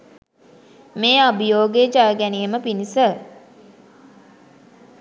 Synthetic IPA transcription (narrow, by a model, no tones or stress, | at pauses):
meːabijoːɡed͡ʒaːɡænijəməpinisə